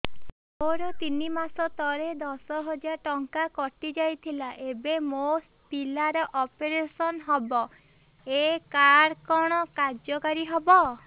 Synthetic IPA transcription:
oɾɔt̪inimasɔt̪ɔɾed̪ɔsɔɦɔd͡ʒaʈɔŋkakɔʈid͡ʒajt̪ʰilaʔebemosʈpilaɾɔʔɔpeɾesɔnɦɔbɔ | ekaɾkɔɽ̃ɔkaɾd͡ʒɔkaɾiɦɔbɔ

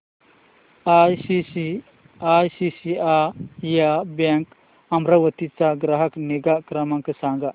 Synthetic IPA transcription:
ajii | ajsisiajabaŋk | ɐmɾɐwət̪it͡saɡɾaɦɐkneɡakɾɐmaŋkəsaŋɡa

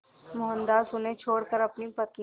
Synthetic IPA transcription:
mʊɦə̃nd̪aːsʊnẽt͡ʃʰoːɽkəɾɐpnipɐkĩ

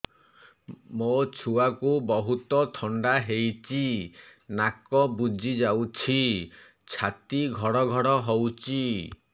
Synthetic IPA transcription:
mot͡ʃʰuakubɔɦut̪ɔt̪ʰɔɳɖaɦejt͡ʃʰinakɔbud͡ʒʱid͡ʒawt͡ʃʰi | t͡ʃʰat̪iɡʱɔɽɔɡʱɔɽɔɦowt͡ʃʰi

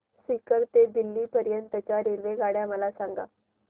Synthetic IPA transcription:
sikəɾt̪ed̪ilːiːpəɾjənt̪ət͡ɕaɾiɾʋeɡaɽjaməlasaŋɡa̰

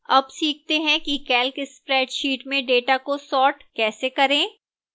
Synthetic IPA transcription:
ɐbsiːk̚t̪eɦɛ̃kikɛːlkɪspɾɛːɖʃiːʈmẽɖeːʈakosɔːʈkɛːsekɐɾẽː

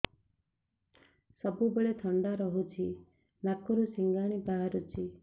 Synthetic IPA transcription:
sɔbubeɭet̪ʰɔɳɖaɾɔɦut͡ʃʰi | nakɔɾusiŋɡaɽ̃ibaɦaɾut͡ʃʰi

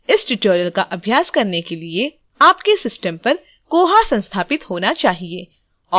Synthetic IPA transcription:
ɪsʈɪʈoːɾijəlkaʔɐbʱjaːskɐɾnekelie | aːpkesɪsʈəmpɐɾ | koːɦasɐ̃nst̪ʰaːpɪt̪hoːnat͡ʃaːɦieː | ɔː

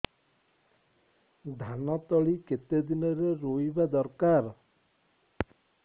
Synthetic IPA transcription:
d̪ʱanɔt̪ɔɭiket̪ed̪inɔɾeɾoibad̪ɔɾkaɾ

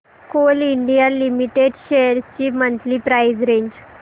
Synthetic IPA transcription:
koliɳɖijalimiʈeɖɕeəɾt͡ɕiːmənt̪liːpɾajd͡zɾeɲd͡ʑ

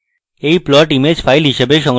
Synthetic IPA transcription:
eiplɔʈimed͡ʑfailɦiʃebeʃɔ̃ŋɡ

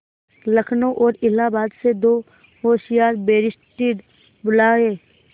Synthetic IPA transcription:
ləkʰnõʔɔːɾɪlaːbaːd̪sed̪oː | ɦoːʃɪjaːɾbeːɾɪsʈɪɽ | bʊlaːeː

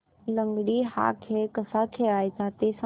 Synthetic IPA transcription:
ləŋɡɽiɦa̰kʰeɭkəsakʰeɭajt͡sat̪esa

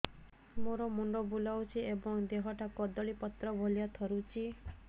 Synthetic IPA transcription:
moɾɔmuɳɖɔbulawt͡ʃʰiebɔŋd̪eɦɔʈakɔd̪ɔɭipɔt̪ɾɔbʱɔlijat̪ʰɔɾut͡ʃʰi

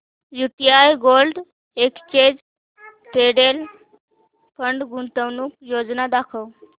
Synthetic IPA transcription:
jut̪jajɡolɖ | ekt͡ɕed͡z | t̪eɽel | pəɳɖɡunt̪əwnuːk̚jod͡znad̪akʰəw

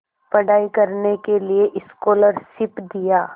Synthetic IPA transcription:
pɐɽaːikɐɾnekelieʔɪskoːləɾsɪpd̪ijaː

